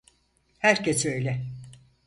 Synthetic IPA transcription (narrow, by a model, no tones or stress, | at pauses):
hæɾcʰesø̞jlʲɛ